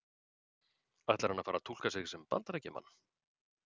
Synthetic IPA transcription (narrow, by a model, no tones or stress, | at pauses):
aht̪ɛɾhanːavfaːɾat̪ʰul̥kasɪɣsɛmpa̰nt̪aɾɛjcːɪma̰nː